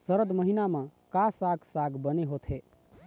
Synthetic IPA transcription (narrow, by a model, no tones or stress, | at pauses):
səɾəd̪məɦinamə̃kasaɡsaɡbəneɦot̪ʰɦe